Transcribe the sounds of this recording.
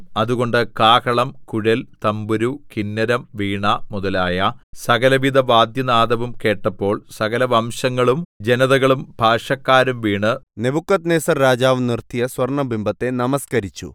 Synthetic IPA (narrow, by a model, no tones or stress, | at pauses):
ɐðuɣo̞ɳɖɨkaːkɐɭɐmkuɻɐlt̪ɐmbuɾukinːɐɾɐmʋiːɳɐmuðɐlaːjɐsɐɣɐlɐʋid̪ɐʋaːd̪jɐnaːd̪ɐʋumke̞ːʈːɐpːo̞ːɭsɐɣɐlɐʋɐmɕɐŋːɐɭumd͡ʑenɐðɐɣɐɭumbʱaːʂɐkːaːɾumʋiːɳɨne̞bukːɐt̪neːsɐrɾaːd͡ʑaːʋnirt̪ijɐswʋɐrɳɐbimbɐt̪ːe̞nɐmɐskɐɾit͡ɕːṵ